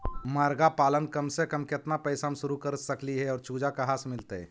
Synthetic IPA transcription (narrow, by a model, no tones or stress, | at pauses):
maːɾɡapaːlənkəmsekəmkɪt̪napɛɪsamsʊɾukəɾsəkliɦɛɔːɾt͡ʃuːd͡ʒakaɦaːsmɪlt̪eɛ̰ː